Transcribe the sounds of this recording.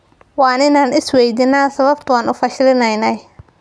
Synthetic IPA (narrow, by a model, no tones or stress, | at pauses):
waːnɪnaːnɪswɛjd̪ɪnaːsɐβɐb̚t̪ʊanʊfɐʃɪlɪnɐjnɐj